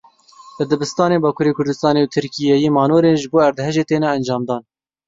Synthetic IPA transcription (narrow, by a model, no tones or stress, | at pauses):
lɨd̪ɨbɨst̪ɑːneːbɑːkʰuːɾeːkʰʊɾd̪ɨst̪ɑːneut̪ʰɨɾkijɛjemɑːnoːɾeːnʒɨboːæɾd̪ɦɛʒeːt̪eːnɛːnd͡ʒɑːmd̪ɑːn